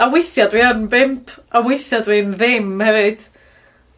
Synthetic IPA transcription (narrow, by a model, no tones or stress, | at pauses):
awɪθjadwianbɪmpʰawɪθjadwinðɪmhɛvɪd̥